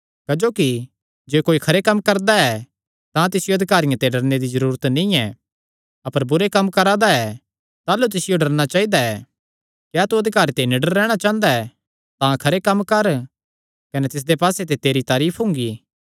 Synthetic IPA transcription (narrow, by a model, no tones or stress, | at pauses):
kɐd͡ʒoːki | d͡ʒeːkoːikʰɐɾekɐmːkɐɾd̪aɛ | t̪ãt̪ɪsɪjoɐd̪ʱɪkaːɾɪjãt̪eɖɐɾned̪izɐɾuːɾət̪nĩɛ | ɐpəɾbʊɾekɐmːkɐɾaːd̪aɛ | t̪aːlut̪ɪsɪjoɖɐɾñat͡ʃaːid̪aɛ | kjaːt̪uɐd̪ʱɪkaːɾt̪enɪɖəɾːɛːɽ̃at͡ʃãːnd̪aɛ | t̪ãkʰɐɾekɐmːkɐɾ | kɐnɛt̪ɪs̬d̪epaːset̪̬et̪eːɾit̪aːɾiːpʰɦʊ̃ːŋɡiː